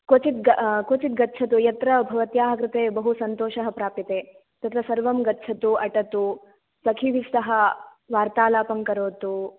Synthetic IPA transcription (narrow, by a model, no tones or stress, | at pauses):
kot͡ʃit̪̚ɡɐkot͡ʃit̪̚ɡɐtːt͡ʃʰɐt̪ujɐt̪ɾɐbʱɐʋɐt̪jaːɦɐkɾɪt̪eːbɐɦusɐnt̪oːʃɐɦɐpɾaːpit̪eː | t̪ɐt̪ɾɐsɐɾʋɐmɡɐtːt͡ʃʰɐt̪uɐʈɐt̪u | sɐkʰiʋist̪ɐɦɐ | ʋaːɾt̪aːlaːpɐŋkɐɾoːt̪u